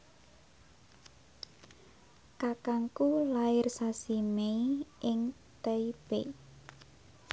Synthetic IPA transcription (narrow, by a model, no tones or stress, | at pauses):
kakaŋkulaɪrsasimeiʔɪŋ | t̪əib̥ḛ